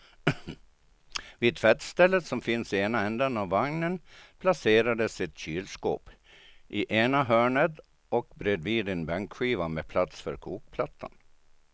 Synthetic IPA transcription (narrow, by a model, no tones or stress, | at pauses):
viːt̪ʰfɛt̪st̪ɛlːəsɔmfɪnsɪeːnaɛnd̪anaʋːaŋnənpʰlaseːɾad̪əsɪt̪ɕyːlsko̰ːp | ʔɪʔeːnaɦœːɳəd̪ | ɔk̚bɾed̪viːd̪ɪnbɛŋkɧiːvamepʰlat̪sfœ̰ɾkʰuːk̚pʰlat̪ʰːa̰n